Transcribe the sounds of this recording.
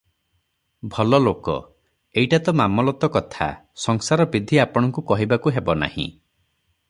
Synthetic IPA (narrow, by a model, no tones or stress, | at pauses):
bʱɔlɔlokɔ̰ | ejʈat̪ɔmamɔlɔt̪ɔkɔt̪ʰa̰ | sɔŋsaɾɔbid̪ʱiapɔɽ̃ɔŋkukɔɦibakuɦebɔna̰hḭ̃